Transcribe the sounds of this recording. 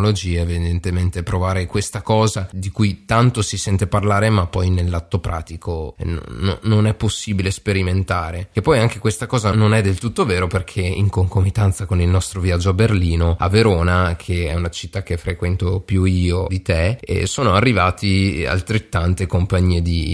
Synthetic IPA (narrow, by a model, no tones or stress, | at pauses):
olod͡ʒiːaevid̪ent̪ement̪epɾovaːɾekwest̪akɔːzad̪ikujt̪ant̪osisɛnt̪eparlaːɾemapːɔjnelːat̪ːopɾʔa̰ːt̪ikʰon̰no̰nonɛpːosːiːbilespeɾiment̪aːɾekepːɔjaŋk̟ekwest̪akɔːzanonɛd̪ːelt̪ut̪ːoveːɾoperkʰeḭŋkoŋkomit̪ant̪sakonilnɔst̪ɾoviad͡ʒːoaberliːnoa̰veɾoːnakʰeɛunat͡ʃi̥t̪ːak̟ːefɾekwɛnt̪opjuiːod̪it̪eḛsoːnoarːivaːt̪ia̰lt̪ɾet̪ːant̪ekompaɲːiːed̪i